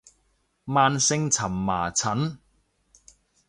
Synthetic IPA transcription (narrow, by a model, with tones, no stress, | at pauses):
maː˧nsɪ˧ŋt͡sʰɐ˨˩mːa̰ː˨˩t͡sʰɐ˨˥n